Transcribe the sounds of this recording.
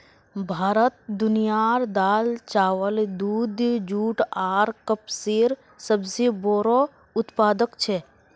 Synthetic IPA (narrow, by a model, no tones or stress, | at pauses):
bʱaːɾət̪̚d̪ʊnijaːɾd̪aːlt͡ʃaːʋəld̪uːd̪d͡ʒuːʈaːɾkəpsiːɾ | səbsiboːɾo | ʊt̪paːd̪əkt͡ʃʰe